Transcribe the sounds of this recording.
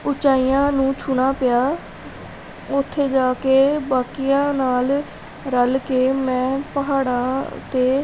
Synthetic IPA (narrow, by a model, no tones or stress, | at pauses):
ʊt͡ʃaːijãːnũːt͡ʃʰʊɳ̃aːpɪjaː | ʊt̪ʰːeːd͡ʒaːkeːbaːkɪjãːnaːl | ɾəlkeːmɛ̃ːpəɦaːɽãːt̪eː